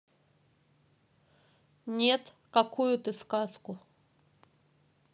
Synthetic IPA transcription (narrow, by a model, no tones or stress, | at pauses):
nʲet̪ | kɐkujʊt̪ɨskaskʊ